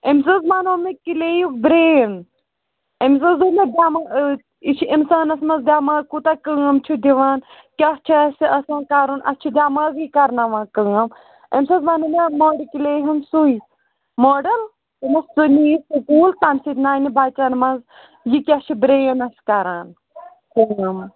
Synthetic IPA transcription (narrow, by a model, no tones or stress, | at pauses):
emʲs̬ɐzmaːnoːmekilejuk̚bɾeːn | ems̬ɐzuːmed̪ʲaːmɐ | it͡ʃʰiʔinsaːnɐsmɐzd̪ʲaːmazkut̪akəɐmt͡ʃʰud̪iʋaːn | kʲɐst͡ʃʰiɐsiɐsãːkaːɾunʔɐ̰st͡ʃʰid̪ʲaːmaːzikɐɾnɐʋãːkəŋɐm | ɐ̰mʲsɐzʋɐnɐmɐmoːɖikileːɦɐnsui | moːɖɐl | ɐmɐsːuniːsukuːlt̪amsit̪naːnibʱaːt͡ʃɐnmɐz | jikʲɐt͡ʃʰibɾeːnɐskaːɾaːn | kəɐm